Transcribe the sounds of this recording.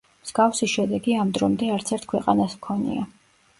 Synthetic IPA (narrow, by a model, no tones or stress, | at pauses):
mz̥ɡafsiʃɛd̪ɛɡiamd̪ɾɔmd̪ɛaɾt̪sʰɛɾt̪ʰkʰwɛqʼa̰nasmkʰɔnḭa